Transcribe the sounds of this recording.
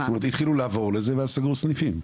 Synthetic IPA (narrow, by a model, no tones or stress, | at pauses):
tomeʁt̪it̪χiluleavo̞ʁlezeveasaɡusnifim